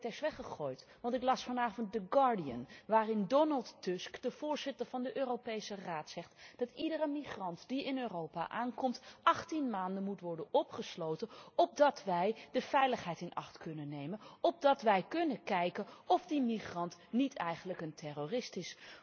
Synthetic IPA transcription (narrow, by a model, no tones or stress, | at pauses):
tɛsʋɛχəχoːjtʋɑntɪklɑsfɑnaːvənt̚dəɡɑɹdiə̰nʋaːrɪndɔnɑlˠtːʊskd̥əv̥ʊːɹz̥ɪtəɹvɑndəʔøːrowpejsəraːtsɛχtd̥ɑtidərəmiχrɑntd̥iɪnøːrowpa̰ʔaːnkɔmtʔɑχtinmaːndənmutʋɔɹdənɔpχəslowtənɔb̚dɑtʋɛjdəv̥ɛjləχɦɛjtɪnɑ̰χtkɵnənːejmənɔb̚dɑtʋɛjkɵnəkɛjkəɔfdimiχrɑntnitʰɛjχənləkəntɛroːrɪstɪs